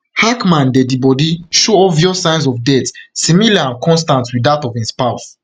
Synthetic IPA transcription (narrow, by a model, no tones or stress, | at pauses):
hakmãndɛdibɔdiʃoɔvjɔsãɪ̃ns̬ɔvdɛtsĩmilaãnkʰɔ̃nstãntwidatɔvĩspaʊs